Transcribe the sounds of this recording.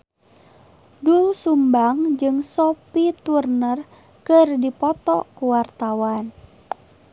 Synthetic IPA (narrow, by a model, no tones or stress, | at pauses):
dulsumbaŋd͡ʒɨŋsɔpit̪urnər | kɨrdipɔt̪ɔkuwart̪awan